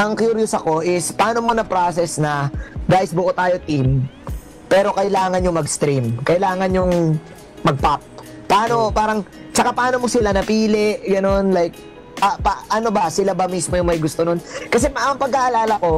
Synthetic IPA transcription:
ʔɐŋkjuɾjʊsɐko̞ʔɪspɐʔaːno̞monɐpɾaːsɛsnɐɡaːʔɪsbʊʔot̪aːjo̞t̪im | pɛːɾo̞kɐjlaːŋɐnjʊŋmɐɡst̪ɾimkɐjlaːŋɐnjʊŋ | mɐɡ̚pap̚ː | ɐʔaːno̞paːɾɐŋt͡ʃɐkapɐʔaːno̞mosɪlanɐpiːlɛʔɡɐno̞nlajk̚ | ʔɐpaʔɐno̞bɐsɪlabɐmismojʊŋmɐjɡʊst̪ononkɐs̬ɛʔɐŋpɐɡ̚kaʔɐlaːlɐko̞

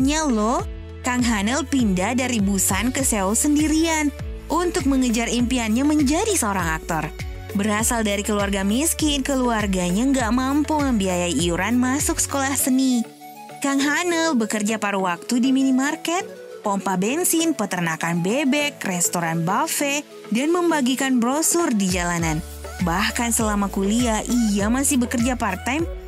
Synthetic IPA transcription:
ɲalɔ | kaŋɦanəlpindadaɾibusankəsɛulsəndiɾianʔunt̪ʊk̚məŋəd͡ʒarimpianɲaməɲd͡ʒadisəoɾaŋak̚t̪ɔr | bəɾasaldaɾikəluarɡamiskɪnkəluarɡaɲaŋɡaʔmampuməmbiajaiiuɾanmasʊksə̥kolahsəni | kaŋɦanəlbəkərd͡ʒapaɾuwak̚t̪udiminimarkɛt̪̚ | pɔmpabɛnsinpət̪ərnakanbebɛkrɛst̪oɾanbafɛ | danməmbaɡikanbɾosʊrdid͡ʒalanan | bahkansəlamakuliaʔijamasɪhbəkərd͡ʒapart̪ajm

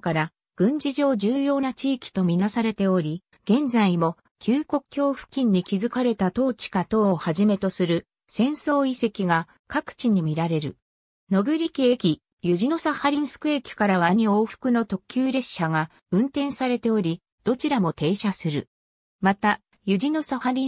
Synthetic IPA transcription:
kaɾa | ɡ̥ɯ̟̃ɲ̟d͡ʑiʑo̞ːd͡ʑɨːjo̞ːnat͡ɕiːkʲi̥t̪omʲinasaɾe̞t̪e̞o̞ɾʲi | ɡ̥ẽ̞nd͡zaimo̞ | kʲʰɨːko̞kɯ̥kʲo̞ːɸɯ̟̥kʲĩɲ̟ːikʲizɨkaɾe̞t̪at̪o̞ːt͡ɕi̥kat̪o̞ːhaʑime̞t̪o̞sɨɾɯ̟ | sẽ̞ɰ̃so̞ːise̞kʲiɡa | kakɯ̥t͡ɕiɲ̟imʲiɾaɾe̞ɾɯ̟̰ | no̞ɡɯ̟ɾʲikʲiekʲi | jɯ̟ʑino̞sahaɾʲĩɰ̃sɨ̥kɯ̟e̞kʲi̥kaɾaβaɲ̟io̞ːɸɯ̥kɯ̟no̞t̪o̞kʲɨːɾe̞ɕɕaɡa | ɯ̟̃nt̪ẽ̞saɾe̞t̪e̞o̞ɾʲi | d̪̥o̞t͡ɕiɾamo̞t̪e̞ːɕasɨɾɯ̟̰ | mat̪a | jɯ̟ʑino̞sahaɾʲi

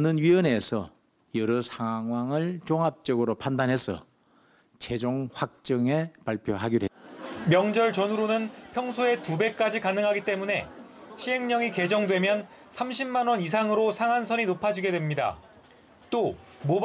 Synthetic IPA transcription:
nɯnɥiʌne̞sʰʌ̰ | jʌɾʌsʰaŋwaŋɯɭt͡ɕoŋɦap̚t͡ɕ͈ʌɡɯɾopʰandanɦe̞sʰʌ̰ | t͡ɕe̞d͡ʑoŋɸwak̚t͡ɕ͈ʌŋe̞paɭpʰjoɦaɡiɾɦemjʌŋd͡ʑʌɭt͡ɕʌnɯɾonɯnpʰjʌŋsʰoe̞tube̞k̚k͈ad͡ʑikanɯŋɦaɡit͈e̞mune̞ɕʰie̞ŋɲʌŋike̞d͡ʑʌŋdwe̞mjʌn | sʰamɕʰimːanwʌnis̬ʰaŋɯɾosʰaŋansʰʌninopʰad͡ʑiɡe̞dwemɲida̰ | t͈o | mob

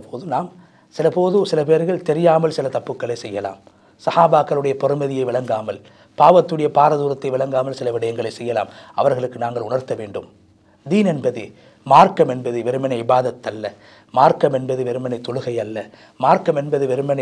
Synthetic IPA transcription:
pʰoːðɯnaːm | sɪlɐpoːðɯsɪlɐpeːɾɣɐɭt̪ɛɾɪjaːmɐlsɪlɐt̪ɐpːɯkːɐɭɐɪsɛjːɐla̰ːm | sɐhaːbaːkːɐɭɯɽɐjɐpɔɾɯmɐðɪjɐɪʋɪɭɐŋɡaːmɐl | paːʋɐt̪ːɯɽɐjɐpaːɾɐðuːɾɐt̪ːɐɪʋɪɭɐŋɡaːmɐlsɪlɐʋɪɽɐjɐŋɡɐɭɐɪsɛjːɐla̰ːmɐ̰ʋɐɾɣɐɭɯkːɯnaːŋɡɐɭʊɳɐɾt̪ɐʋeːɳɖɯm | d̪iːnɛnbɐðɯ | maːɾkɐmɛnbɐðɯʋɛɾɯmɐnɐɪɪbaːðɐt̪ːɐlːɐ | maːɾkɐmɛnbɐðɯʋɛɾɯmɐnɐɪt̪ːɔɻɯɣɐɪjɐlːɐ | maːɾkɐmɛnbɐðɯʋɛɾɯmɐnɐ

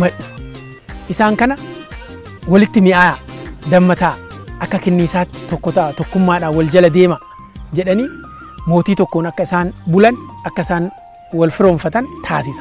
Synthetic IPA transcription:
mɐᶑʊ̥ | ʔɪsaːŋkɐnɐ | wɐlɪt̪ːɪmɪʔaːd̪ɐmːɐt̪aːʔɐkːɐkɛnːiːsaːt̪ːɪ̥t̪ɔkːɔt̪ɐʔat̪ɔkːʊmːaːᶑaːwɐld͡ʒɐlɐd̪e̞ːmɐ | d͡ʒɛᶑɐniː | mo̞ːt̪iːt̪ɔkːoːnɐkːɐɪsaːnbʊlɐnɐkːɐɪsaːn | wɐlfɪɾoːɱfɐt̪ɐnt̪ʰaːs̬ɪsɐ̥

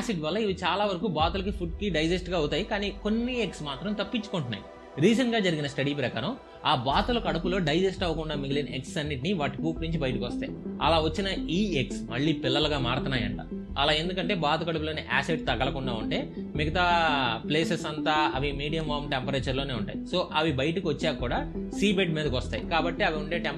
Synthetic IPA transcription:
aːsiɖʋɐlːɐiʋit͡ʃaːlaːʋɐɾɐkuːbaːt̪ɐulɐk̬ipʰuɖ̚kiɖɐjd͡ʒesʈɡaːɐwt̪aːjikaːniːko̞nːieksmaːt̪ɾɐmt̪ɐpːit͡ʃːu̥koɳʈunːa̰ːji | ɾiːd͡ʒɐnɡaːd͡ʒɐɾiɡinɐsʈɐɽipɾɐkaːɾɐm | aːbaːt̪ulɐkɐɽɐpulo̞ːɖɐjd͡ʒesʈɐʋːɐkuɳɖaːmiɡilinɐʔeksɐnːiʈiniʋaːʈikuːkɾiɲt͡ʃibɐjɐʈikʋɔst̪a̰ːɐ̰laːʋɐt͡ʃːinɐiːeksmɐɭːiːpilːɐluɡaːmaːɾt̪ɐnaːjɐɳʈa̰ː | ɐ̰laːe̞nd̪ukɐɳʈe̞ːbaːt̪ɐkɐɽɐp̬uloːniʔa̰ːseɖ̚t̪ɐɡɐlɐkuɳɖaːuɳʈe̞ːmiɡɐt̪aːpleːsesɐnt̪aːɐʋimiːɽijɐmʋaːmʈempɐɾɐjt͡ʃɐɾloːne̞ːuɳʈa̰ːjiso̞ːʔɐʋibɐjɐʈɐkiʋɐt͡ʃːaːkuːɽaː | siːbeɖmiːd̪ɐkʋɐst̪aːjikaːbɐʈːiɐʋiuɳʈe̞ːʈem

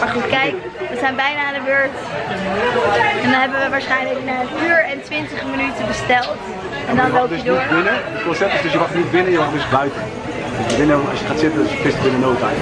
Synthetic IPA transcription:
maɹχutkɛjk | ʋəzɛjnbɛjnaːndəbøɹt | ɛndɔnɦɛbənʋəʋaːɹsχɛjnləknafyːɹɛntʋɪntəχmənytəbəstɛlˠt | ɛndɔnɛlˠddoibɪnəɪkɔnsɛp̚tɪsdɵsjəʋɑχnitbɪnəjəʋaχ̚dɵsbœɥtən | ɔjəʋɪnəɛɑ̰sjəχaːtsɪtənɪsəfɪstəbɪnənowta̰j

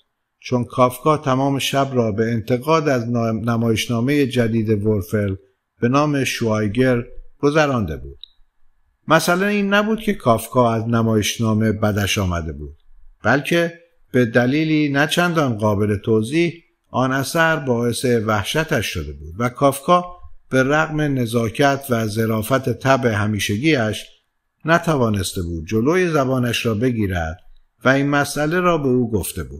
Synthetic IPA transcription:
t͡ʃʰonkʰɒːfkʰɒːt̪ʰæmɒːme̞ʃæbɾɒːbe̞ːnt̪ʰe̞ɣɒːd̪æznæmɒːjeʃnɒːme̞jed͡ʒæd̪iːd̪e̞voɾfeɾl | b̥e̞nɒːme̞ʃuɑjɡe̞ɾɡ̥o̞zæɾɒːnd̪ebṵːd̪̥ | mæsælæniːnːæbuːd̪kʰe̞kʰɒːfkʰɒːæznæmɒːjeʃnɒːme̞bæd̪æʃɒːmæ̰d̪e̞bṵːd̪̥̚b̥ælcʰe̞ | b̥e̞d̪æliːliːnæt͡ʃʰænd̪ɒnɢɒːbe̞le̞t̪ʰoːziːh | ʔɒːnæsæɾbɒːe̞se̞væhʃæt̪ʰæʃːod̪e̞bṵːd̪̥vækʰɒːfkʰɒːb̥e̞ɾæɣme̞ne̞zɒːcʰæt̪ʰvæze̞ɾɒːfæt̪ʰet̪ʰæbe̞ɦæmiːʃeɟiːæʃ | næt̪ʰævɒːne̞st̪e̞buːd̪̚d͡ʒoloːjezæbɒːnæʃɾɒːbe̞ɟiːɾæ̰d̪ | væiːnmæsʔæle̞ɾɒːbe̞uːɡoft̪e̞bṵːd̪̥

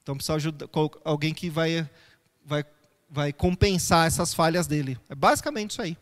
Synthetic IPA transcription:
ẽt̪ɐ̃w̃pe̥sawaʒud̪akookawɡẽj̃kɪvaj | vaj | vajkõpẽsaɛsɐsfaʎɐzd̪elɪɛbazikamẽnt͡ʃɪ̥sai

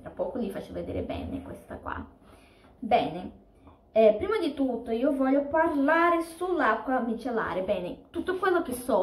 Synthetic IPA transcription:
t̪ɾapːɔːkolifat͡ʃːeved̪ḛːɾḛbɛ̰ːnḛkwḛst̪a̰kwa̰ | bɛːne | ɛpɾiːmad̪it̪ut̪ːoiːovɔʎːoparlaːɾesulːakːwamit͡ʃela̰ːɾebɛːnet̪ut̪ːokwelːok̟esɔ

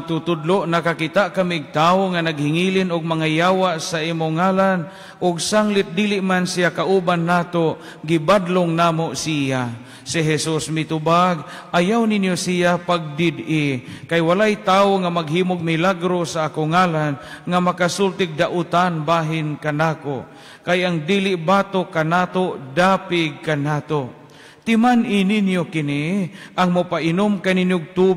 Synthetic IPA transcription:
t̪ut̪ʊd̪loʔnakakit̪aʔkamiɡ̚t̪aːoŋanaɡ̚hɪŋilɪnʊɡ̚maŋajaːwaʔsaʔiːmʊŋaːlan | ʔʊɡsaŋlɪt̪̚d̪ilɪʔmansijakaʔubanːaːt̪oʔ | ɡɪbad̪loŋnaːmoʔsija | sɪɦɛsusmɪt̪ʊbaɡ̚ʔajawninjosijapaɡ̚d̪ɪd̪ɪkajwalajt̪aːʊŋamaɡɦiːmoɡ̚mɪlaɡɾosaʔaːkoŋaːlanŋamakasult̪ɪɡ̚d̪aʔʊt̪anbaːɦɪnkanaːko | kajʔaŋd̪iːlɪʔbaːt̪okanaːt̪odaːpɪɡ̚kanaːt̪oʔ | t̪ɪmanʔɪninjokɪniʔaŋmʊpaʔɪnʊmkaninjʊɡ̚t̪u

